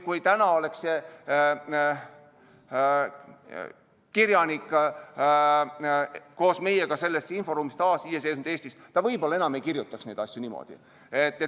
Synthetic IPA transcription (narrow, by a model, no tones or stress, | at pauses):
kujt̪ænɑo̞le̞kse | kirjɑnikː | ko̞ːsme̞jeɡ̥ɑse̞lːesinfo̞ɾuːmist̪ɑːsijes̬eːsnud̪e̞ːst̪ist̪t̪ɑvɤjbo̞lːɑe̞nɑme̞jkirjut̪ːˑɑksne̞jd̪ɑsʲjunimo̰d̪̥ḭ | et̪ːe